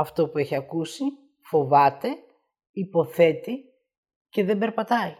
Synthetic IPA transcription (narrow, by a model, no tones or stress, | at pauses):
ɐft̪o̞pue̞çiɐkusi | fo̞vɐt̪e̞ | ipo̞θe̞t̪i | ce̞ðembe̞ɾpɐt̪ɐi